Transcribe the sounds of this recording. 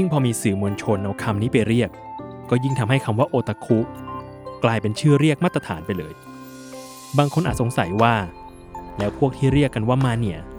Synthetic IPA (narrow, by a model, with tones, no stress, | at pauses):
ji˥˩ŋpʰɔː˧miː˧sɯː˨˩mu˧ənt͡ɕʰo˧nʔa˧wkʰa˧mniː˦˥pa˧jɾi˥˩əkː | ɔː˥˩ji˥˩ŋt̪ʰa˧mɦa˥˩jkʰa˧mwaː˥˩ʔoː˧t̪ʰa˧˥kʰu˦˥ʔ | klaː˧jpe˧nt͡ɕʰɯː˥˩ɾi˥˩ək̚maː˥˩t̪ɾa˧t̪ʰa̰ː˩˦npa˧jlɤː˧j | baː˧ŋkʰo˧nʔaː˨˩t̪̚so˩˦ŋsa˨˩˦jwaː˥˩ | lɛː˦˥wpʰu˥˩ək̚t̪ʰiː˥˩ɾi˥˩əkːa˧nwaː˥˩ma˦˥nːi˦˩ɐ